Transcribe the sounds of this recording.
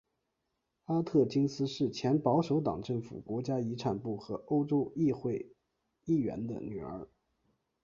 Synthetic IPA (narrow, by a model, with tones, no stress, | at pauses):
a˥t̪ʰɤ˥˩t͡ɕi˥ŋsɹ̩˥ʂɻ̩˥˩t͡ɕʰjɛ˧˥npɑ˧˥ʊʂo˧˥ʊt̪ɑ̰˨˩ŋʈ͡ʂɤ˥˩ŋfṵ˨˩kwɔ˧˥t͡ɕja˥i˧˥ʈ͡ʂʰa˨˩npu˥˩xɤ˧˥ʔo˥ʊʈ͡ʂo˥ʊi˥˧xwe˥˧ɪ | i˥˩ɥɛ̰˧˥nd̪ə̰˧ny˨˩ə̰˧˥